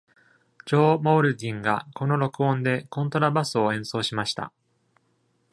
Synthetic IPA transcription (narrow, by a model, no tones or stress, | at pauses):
d͡ʑo̞ːmo̞ːɾɯ̟d̪ʲĩŋɡako̞no̞ɾo̞kɯ̟õ̞nd̪e̞kõ̞nt̪o̞ɾabasɨo̞ẽ̞ɰ̃so̞ːɕimaɕi̥t̪a̰